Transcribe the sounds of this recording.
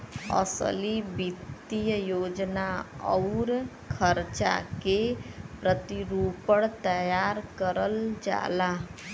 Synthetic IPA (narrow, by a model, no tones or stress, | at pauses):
ʌ̰sə̰libit̪ijəjod͡ʒnaʌ̰wɾ | kʰəɾt͡ʃa̰kepɾət̪iɾupəɽt̪əjaɾkəɾəld͡ʒa̰la